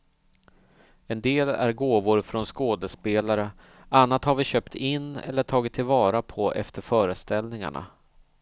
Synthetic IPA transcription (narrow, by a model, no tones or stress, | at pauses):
ɛnd̪eːlæ̰ɾɡoːvʊɾfɾɔnskoːd̪əspeːlaɾə | ʔanːat̪haɾvɪɕøːpt̪ʰɪnːɛ̰lːəʈʰɑːɡɪt̪ʰːɪlvɑːɾapʰɔʔɛ̰ft̪əɾfœːɾəst̪ɛlnɪŋa̰ɳa̰